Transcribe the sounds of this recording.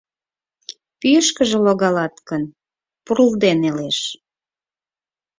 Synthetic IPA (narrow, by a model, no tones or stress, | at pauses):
pyjəʃkəʒĕloɣɑlɑt̪kən | puɾəld̪eneleʃ